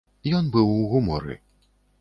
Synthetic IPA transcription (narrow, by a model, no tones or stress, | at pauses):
jɔnbɨwuɣumɔ̰ɾɨ̰